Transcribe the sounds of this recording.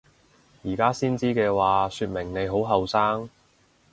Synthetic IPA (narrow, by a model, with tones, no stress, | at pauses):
jiː˨˩kaː˥siː˥nt͡siː˥kɛː˧waː˨syː˧t̚mɪ˨˩ŋne˨˧jɦo˨˥wɦɐ˨wsaː˥ŋ